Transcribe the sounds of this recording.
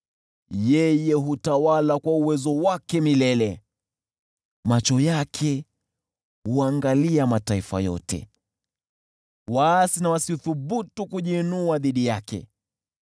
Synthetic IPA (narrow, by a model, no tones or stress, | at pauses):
jɛjɛɦutawalakwauwɛzɔwakɛmilɛlɛ | mat͡ʃɔjakʰɛ | huaŋɡaliamataifa̰jɔ̰tɛ̰ | waːsinawasiuθuɓutukuʄinuaðiɗijakɛ̰